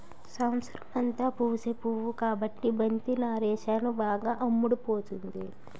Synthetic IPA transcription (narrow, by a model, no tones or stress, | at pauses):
sɐwnsɾɐmɐnt̪aːpuːsepuʋukaːbɐʈːibɐnt̪inaːɾɛːʃaːnubaːɡaːʔɐmːuɽupoːt̪und̪i